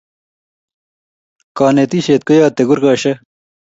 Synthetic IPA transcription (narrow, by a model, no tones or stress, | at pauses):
kaːnet̪iːɕeːt̪̚kojaːt̪eɡuɾkaːɕɐ